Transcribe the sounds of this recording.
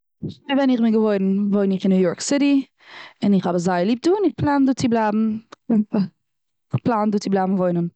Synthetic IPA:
vɛnɪχmɪɡəvoɪɾn̩voɪnɪχɪnːuːjɔɹksɪɾi | ɪnɪχhabəzaɪlˠiːp̚duːɪnɪχplˠaːnduːt͡sɪblˠaːbm̩ | ɪχplˠaːnduːt͡sɪblˠaːbm̩voɪnən

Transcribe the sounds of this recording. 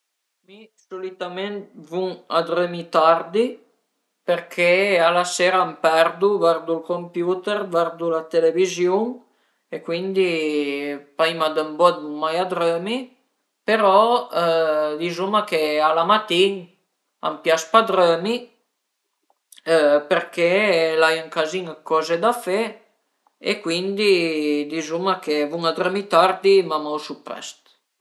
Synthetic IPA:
misolit̪ament̪̚vuŋad̪ɾømit̪ard̪i | peɾkʰealaseːɾaampɛɾd̪uvɛrd̪ulkompjuːt̪ɛrvɛrd̪ulat̪elevizjuŋ | ekwind̪i | paimad̪əmbɔd̪nuŋːajad̪ɾøːmi | peɾɔ | d̪izumakealamat̪iŋ | a̰mpjaspad̪ɾømi | øpeɾkelajəŋkaziŋkɔzed̪afe | ḛkwind̪id̪izumakevuŋad̪ɾømit̪aɾd̪imamawsupɾɛ̰st̪

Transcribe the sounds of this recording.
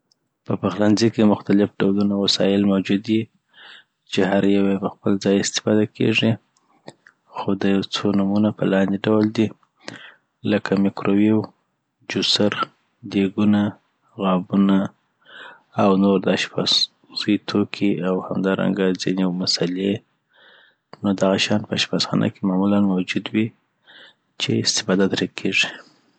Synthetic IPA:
pəpaxlanzikemʊxt̪alɪfɖawlunawasɑ̰jɪlmawd͡ʒud̪i | t͡ʃehaɾjawejpəxpəld͡zɑjɪst̪ɪ̥fɑd̪akʰḛʐi | xod̪əjawt͡sonamunapəlɑnd̪eɖawld̪i | ləkʰamɪkɾowiw | d͡ʒusaɾ | d̪eɡuna | ɣɑbuna | awnoɾd̪aʃpɑ̰s | zəjt̪ʰokʰiawhamd̪ɑɾa̰ŋɡad͡zinemasale | nod̪aɣaʃɑnpəaʃpɑsxɑ̰nʔa̰kemɑmulanmawd͡ʒud̪wi | t͡ʃḛɪst̪ɪ̥fɑd̪at̪ɾad̪̚kʰeʐi

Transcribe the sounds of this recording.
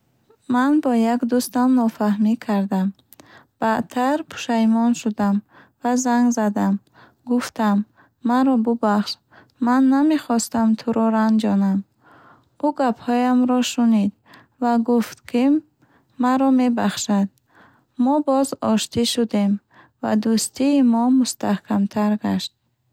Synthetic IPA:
manbɔjaɡd̪ust̪amnɔfahmikʰaɾd̪am | b̥at̪ʰaɾpʰu̥ʃajmɔnʃud̪am | vazaŋɡzad̪am | ɡuft̪amː | aɾɔbubaχʃ | manːameχɔst̪amt̪ʰuɾɔɾand͡ʒɔnam | uɡaphɔjamɾɔʃunid̪ | vaɡuft̪kʰi | maɾɔme̞baχʃad̪̚ | mɔbɔzɔʃt̪iʃud̪e̞m | va̰d̪ust̪iːmɔmust̪ahkʰamt̪ʰaɾɡaʃt̪̚

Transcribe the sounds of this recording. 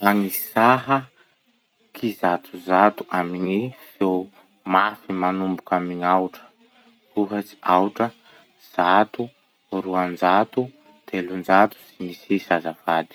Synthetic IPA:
aŋisaɦə | kʰizat̪uzat̪u̥ʔamiɲifew | mafimanumbukamiɲawʈ͡ʂə̥ | kuɦət͡si̥ʔawʈ͡ʂə | z̥at̪u | ruand͡ʒat̪u | t̪elund͡ʒat̪u̥simisisazavad̪i̥

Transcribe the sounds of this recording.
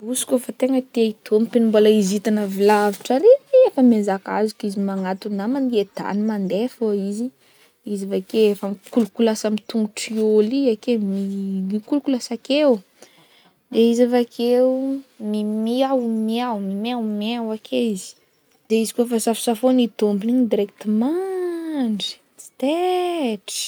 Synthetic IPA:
usi̥kofat̪eŋət̪eit̪ʰomipenumbolaizit̪anəvilaviʈ͡ʂaɾeeefəmezaka̰zikizimaŋat̪unamaned̪̥a̰nimand̪efoizi | izavakeefəkulukulasamit̪uŋɡuʈ͡ʂioliakemimikulukulasakew | d̪eizavakʰeumimiawmiawmimiawmeawakʰeizi̥ | d̪̥eizikofasafi̥safonit̪ombiniɲid̪iɾek̚t̪ima | ɳɖ͡ʐi̥ | t͡si̥t̪eʈ͡ʂ

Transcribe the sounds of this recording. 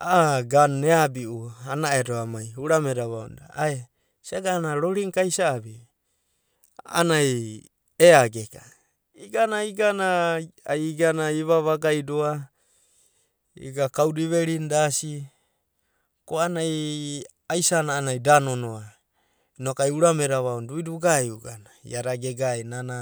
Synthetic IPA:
aɡanːeabiuanaedoamajuɾameɾaβao̰ndaae | saɡanaɾoɾiŋkajsaːbi | a̰naj | eaɡeka | iɡanaiɡanaajɡanaiβaβaɡajdoa | ḭɡakawdiβe̞ɾindasi | koanaj | ajsanaːnajdano̞noa | inokajuɾame̞ɾaβaunduiduɡajuɡanaḭaɾaɡeɡajnana

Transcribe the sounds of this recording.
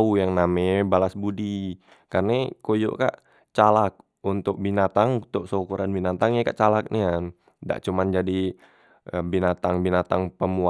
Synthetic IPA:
ujaŋnamebalasbudi | karnekojo̰ʔka̰ʔ | t͡ʃalak̚ | unt̪ʊk̚binat̪aŋt̪oʔsokuɾanbinat̪aŋjakaʔt͡ʃalak̚nian | da̰ʔt͡ʃumand͡ʒadi | əbinat̪aŋbinat̪aŋpəmua

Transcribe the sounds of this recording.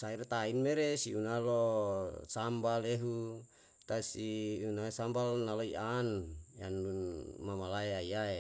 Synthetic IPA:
sairt̪ainmeɾesiunalosambaleɦu | t̪asiunasambalnaloiʔanjanunmamalaeajae

